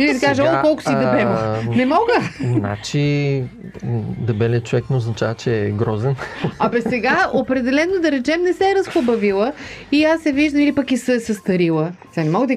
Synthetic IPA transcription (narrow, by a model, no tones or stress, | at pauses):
ilisikaʒəɔkɔlˠkʊ̥sid̪ɐbɛvnɛmɔɡəzna̰t͡ʃi | d̪ɐbɛliət̪̚t͡ʃovɛknɛoznɐt͡ʃavət͡ʃɛːɡɾɔzɛnɐbɛsɛɡaopɾɛd̪ɛlɛnod̪ɐɾɛt͡ʃɛmnɛsɛɾɐsxobɐvilˠəiasːɛviʒd̪əmilipɐkisəsɐst̪ɐɾilˠət̪ʲanɛmɔɡəd̪ə